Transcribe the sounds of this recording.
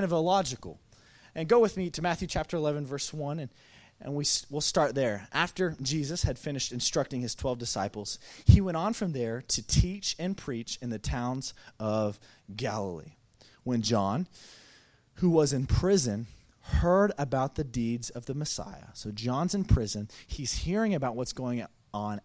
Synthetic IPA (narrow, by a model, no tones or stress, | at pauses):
nʌvəlɑd͡ʒɨkl̩ˠ | ɨ̃nɡoʊwɨðmiɾɨmæθjʉt͡ʃʰæp̚tʰə˞əlɛvɨ̃n̩vɜ˞swʌ̃nɨ̃n | ʔnwiswilˠstɑɹt̪̚ðə˞ʔæftə˞d͡ʒizɨshɨd̥fɪ̃nɨʃtɨ̃nstɹ̥ʌk̚tɪ̃ŋɨz̥tʰw̥ɛlˠvdɨsaɪpl̩ˠz̥hiwɛ̃ɾ̃n̩fɹʌ̃mðə˞ɾɨtʰit͡ʃɨ̃npʰɹ̥it͡ʃɨ̃nðɨtʰãʊ̃nzʌv | ɡælˠəl̩ˠḭ | wə̃nd͡ʒɑ̃n | huwʌzɨ̃npʰɹ̥ɪzɨ̃n | hɜ˞ɾəbaʊt̪̚ðɨdidzʌvðɨmɨsa̰ɪɨ̰soʊd͡ʒɑ̃nzɨ̃npʰɹ̥ɪzɨ̃niz̥hiɹɪ̃ŋɨbaʊt̚wʌtsɡ̥oʊɪ̃ŋ | ə̃n